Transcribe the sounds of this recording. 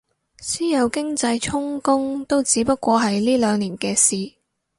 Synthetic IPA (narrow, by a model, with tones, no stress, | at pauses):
siː˥jɐ˨˧wkɪ˥ŋt͡sɐ˧jt͡ʃʰʊ˥ŋkʊ˥ŋt̪o˥wt͡siː˨˥pɐ˥t̚kːʷɔː˧ɦɐ˨jliː˥lœː˨˧ŋliː˨˩nkɛː˧siː˨˩